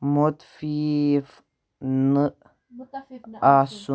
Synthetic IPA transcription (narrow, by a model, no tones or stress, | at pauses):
mot̪fif | nɨʔ | asu